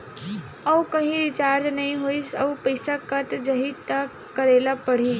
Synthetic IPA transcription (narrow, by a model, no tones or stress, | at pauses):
əwkəɦĩɾit͡ʃaɾd͡ʒnəɦĩɦoisə̰wpəjsakət̪d͡ʒəɦit̪aː | əɾelapəɽ̤iː